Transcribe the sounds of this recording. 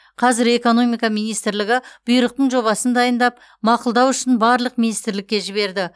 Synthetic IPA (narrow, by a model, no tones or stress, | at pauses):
qʰɑzɪɾe̞ko̞no̞mijkɑmijnijst̪ɪɾlɪɡʲɪb̥ʊjɾəq̚t̪əɴʒo̞βɑsənd̪ɑjənd̪ɑp̚ | mɑqʊlˠd̪ɑwʏʃɪnbɑɾlˠəq̚minijst̪ɪɾlɪkʲːe̞ʒɪβe̞ɾd̪ɪ